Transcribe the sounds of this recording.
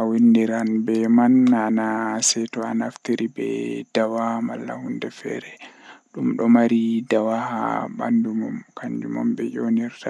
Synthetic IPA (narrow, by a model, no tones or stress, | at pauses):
ʔawindiɾanbɛmananasɛtɔanaft̪iɾibɛ̰d̥awamalːa̰hundɛfɛ̰ɾɛɗumɗɔmaɾidawaha̰ba̰ndumɔmkaɲd͡ʒumɔmbɛjoniɾta